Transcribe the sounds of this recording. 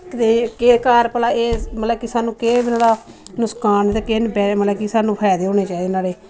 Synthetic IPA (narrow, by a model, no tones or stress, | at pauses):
kt̪eːkeːkaːɾpəlaːeːmət̪ləbkɪsaːnũːkeːbɪnaːɽaːnʊskaːnt̪eːkenbɛːmət̪ləbkɪsaːnũːpʰɛːd̪eːɦoːɽeːt͡ʃaːiːd̪eːnaːleː